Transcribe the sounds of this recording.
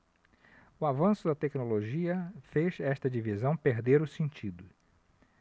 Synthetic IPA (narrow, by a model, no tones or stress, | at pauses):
ʊavɐ̃sʊd̪ɐt̪ɛknoloʒiɐfezɛʃt̪ɐd͡ʒivizɐ̃w̃peɾd̪eɾʊsẽnt͡ʃid̪ʊ